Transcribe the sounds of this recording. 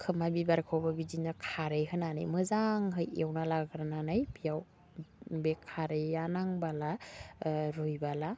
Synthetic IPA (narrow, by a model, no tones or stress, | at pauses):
kʰɯmabibaɾkʰawbabidinakʰaɾɯjɦɯnanɯ̰jmɯzaŋɦɯjewnalaɡɾananajbijaw | bekʰaɾɯjanaŋbala | ɾujbala